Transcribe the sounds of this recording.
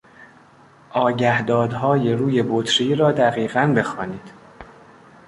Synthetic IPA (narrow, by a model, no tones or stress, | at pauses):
ʔɒːɟæhd̪ɒːd̪ɦɒːje̞ɾuːje̞bot̪ʰɾiːɾɒːd̪æɣiːɣænbe̞xɒːniːd̪̥